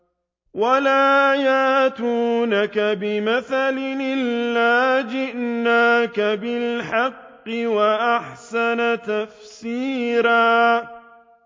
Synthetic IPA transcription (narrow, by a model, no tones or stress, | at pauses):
walaːjaːt̪uːnakabɪmaθalɪʔɪlːaːd͡ʒɪʔnaːkabɪlħɑqːɪwaʔaħsanat̪afsiːɾaː